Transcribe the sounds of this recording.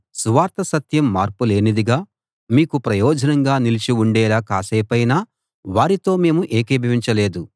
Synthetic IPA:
suʋaːɾt̪ɐsɐt̪jɐmːaːɾpule̞ːnid̪iɡaː | miːkupɾɐjɔːd͡ʒɐnɐŋɡaːnilit͡ʃiuɳɖɛːlaːkaːseːpɐjnaː | ʋaːɾit̪o̞ːme̞ːmuʔeːkeːbʱɐʋiɲt͡ʃɐle̞ːd̪u

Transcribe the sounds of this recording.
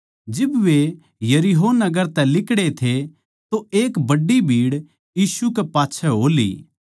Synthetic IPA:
d͡ʒɪbʋe | jɐɾiɦoːnɐɡəɾt̪ɛlɪkɽet̪ʰe | t̪oeːkbɐɖːibʱiːɽ | jiːsukepaːtːt͡ʃʰɛɦoːlḭː

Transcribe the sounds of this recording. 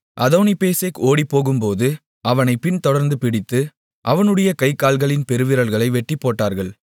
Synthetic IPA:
ʔɐðoːnipeːsekoːɽipːoːɣɯmpoːðɯ | ʔɐʋɐnɐɪpɪnt̪ɔɽɐɾnd̪ɯpɪɽɪt̪ːɯ | ʔɐʋɐnɯɽɐjɐkɐɪkːaːlɣɐɭɪnpɛɾɯʋɪɾɐlɣɐɭɐɪʋɛʈːipːoːʈːaːɾɣɐɭ

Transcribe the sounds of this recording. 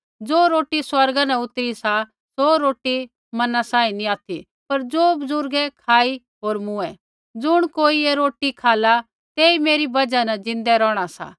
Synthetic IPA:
d͡zoːɾoːʈiswɐɾɡanaʊt̪ɾisa | soːɾoːʈi | mɐnasãːĩnĩaːt̪ʰḭ | pɐɾd͡zoːbzʊɾɡɛkʰaːi | ɦoːɾmʊ̃ɛ | d͡zʊɽ̃koːieɾoːʈikʰaːla | t̪eːimeːɾibɐd͡ʒanɐd͡zɪ̃nd̪ɛɾɔːɽ̃asa̰ː

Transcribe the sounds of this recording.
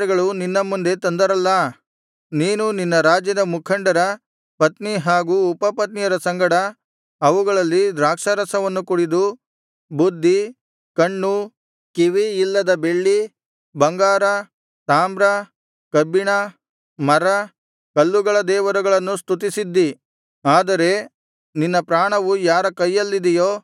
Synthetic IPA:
ɾɐɡɐɭuninːɐmːund̪e̞t̪ɐnd̪ɐɾɐlːɐ | niːnuninːɐɾaːd͡ʒjɐd̪ɐmukʰɐɳɖɐɾɐ | pɐt̪niɦaːɡuːpɐpɐt̪nijɐɾɐsɐŋɡɐɽɐ | ɐʋuɡɐɭɐlːid̪ɾaːkʂɐɾɐsɐʋɐnːukuɽid̪u | bud̪ʱːi | kɐɳːu | kiʋiːlːɐd̪ɐbe̞ɭːi | bɐŋɡaːɾɐ | t̪aːmbɾɐ | kɐbiɳɐ | mɐɾɐ | kɐlːuɡɐɭɐd̪ɛːʋɐɾɐɡɐɭɐnːust̪ut̪isid̪ːi | aːd̪ɐɾe̞ | ninːɐpɾaːɳɐʋujaːɾɐkɐjːɐlːid̪ɛjoː

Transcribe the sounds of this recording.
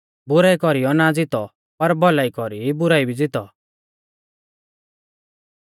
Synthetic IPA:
bʊɾaːikɔɾijɔnad͡zɪt̪ɔ | pɐɾbʱɔlaːikɔɾibʊɾaːibʱid͡zɪt̪ɔ̰

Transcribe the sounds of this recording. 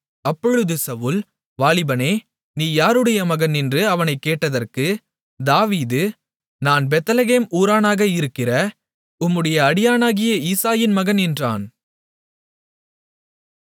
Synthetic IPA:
ɐpːɔɻɯðɯsɐʋuːl | ʋaːɭɪbɐneː | niːjaːɾɯɽɐjɐmɐɣɐnɪndrɯɐʋɐnɐɪkːeːʈːɐðɐrkɯ | d̪aːʋiːðɯ | naːnbɛt̪ːɐlɐɣeːmuːɾaːnaːɣɐɪɾɯkːɪrɐ | ʊmːɯɽɐjɐːɽɪjaːnaːɣɪjɐiːsaːjɪnmɐɣɐnɛndra̰ːn

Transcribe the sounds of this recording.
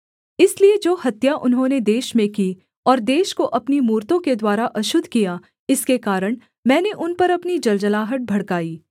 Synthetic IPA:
ɪslied͡ʒoːhɐt̪jaʔʊnɦõned̪eːʃmẽkiː | ɔːɾd̪eːʃkoʔɐpnimuːɾt̪õked̪waːɾaʔɐʃʊd̪ʱkija | ɪskekaːɾəɽ̃ | mɛ̃ːneʔʊnpɐɾɐpnid͡ʒɐld͡ʒəlaːɦəʈ̚bʱɐɽkaːiː

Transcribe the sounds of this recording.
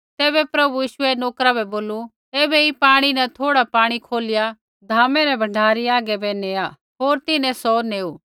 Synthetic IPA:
t̪ɛːβɛpɾɐbujiːʃʊɛnoːkɾabɛboːlu | eːbɛipaːɽ̃inɛt̪ʰoːɽapaːɽ̃ikʰoːlɪja | d̪ʱaːmɛɾɛbʱɐɳɖʱaːɾiaːɡɛbɛneːja | ɦoːɾt̪ɪnɛ̃sɔneːuː

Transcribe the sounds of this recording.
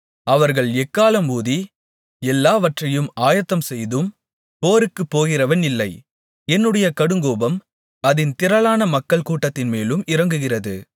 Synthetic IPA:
ɐʋɐɾɣɐɭɛkːaːlɐmuːði | ɛlːaːʋɐʈrɐjɯmaːjɐt̪ːɐmsɛjðɯm | poːɾɯkːɯpːoːɣɪrɐʋɐnɪlːɐɪ | ɛnːɯɽɐjɐkɐɽɯŋɡoːbɐm | ɐðɪnt̪ɪɾɐlaːnɐmɐkːɐɭkuːʈːɐt̪ːɪnmeːlɯmɪrɐŋɡɯɣɪrɐðɯ

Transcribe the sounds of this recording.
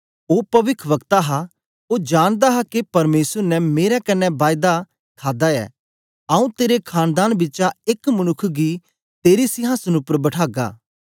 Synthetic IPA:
oːpɐʋɪkʰʋɐkt̪aɦa | od͡ʒaːɽ̃d̪aɦakepɐɾmeːsəɾnɛmeːɾɛkɐnːɛbaːɪd̪a | kʰaːd̪aɛ̰ː | aːũt̪eːɾekʰaːnd̪aːnbɪt͡ʃaɪkmɐnʊkʰɡi | t̪eːɾisɪɦãːsɐnʊpəɾbɐʈʰaːɡa̰ː

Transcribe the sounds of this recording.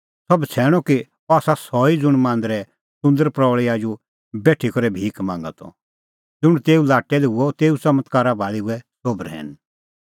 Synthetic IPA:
sɔbt͡sʰɛːɽ̃ɔki | ɔaːsasɔːid͡zʊɽ̃mãːnd̪ɾɛ | sʊ̃nd̪əɾpɾɔːɭiad͡ʒu | bɛːʈʰikɔɾɛbʱiːkmãːŋɡa̰t̪ɔ̰ | d͡zʊɽ̃t̪eːulaːʈːɛlɛɦʊɔt̪eːut͡sɐmət̪kaːɾabʱaːɭiuɛsobəɾɦɛ̰ːn

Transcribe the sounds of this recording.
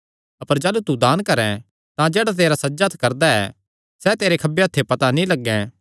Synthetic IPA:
ɐpəɾd͡ʒɛːlut̪ud̪aːnkɐɾɛ̃ | t̪ãd͡ʒɛːɽat̪̬eːɾasɐd͡ʒət̪ʰkɐɾd̪aɛː | sɛːt̪eːɾekʰɐbeɐt̪ʰːepɐt̪anĩlɐɡːɛ̃

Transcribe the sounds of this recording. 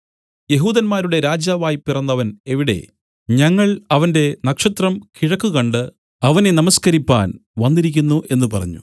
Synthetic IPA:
je̞ɦuːðɐnmaːɾuɽe̞ɾaːd͡ʑaːʋaːjpːirɐnːɐʋɐne̞ʋiɽe̞̰ | ɲɐŋːɐɭɐʋɐnde̞nɐkʂɐt̪rɐmkiɻɐkːuɣɐɳɖɨ | ɐʋɐne̞nɐmɐskɐɾipːa̰ːnʋɐnːiɾikʲːunːuʔe̞nːɨpɐrɐ̰ɲːṵ

